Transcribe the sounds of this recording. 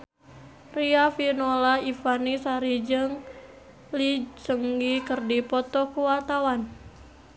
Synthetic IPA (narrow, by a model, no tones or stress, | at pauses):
riafinolaifanisaɾid͡ʒəŋ | lit͡ʃəŋɡikərdipɔt̪ɔkuwat̪awan